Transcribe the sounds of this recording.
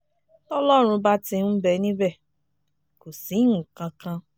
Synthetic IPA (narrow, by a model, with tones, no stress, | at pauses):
tɔ˦lɔ˦˨ɾʊ˧ba˦tɪ˦m̩˦be˨˦nĩ˦be˦˨ | ko˨si˨˦ŋ̩˨kã˦kã˦